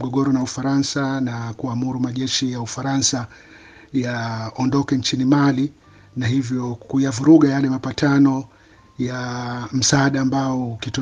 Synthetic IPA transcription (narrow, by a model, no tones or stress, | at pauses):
ɡɔɠɔɾɔnaufaɾansanakuamuɾumaʄɛʃijaufaɾansa | jaɔndɔkɛnt͡ʃinimali | nahivjɔkujavuɾuɠajalɛmapatanɔ | jam̩saːɗaːmbaɔukitɔ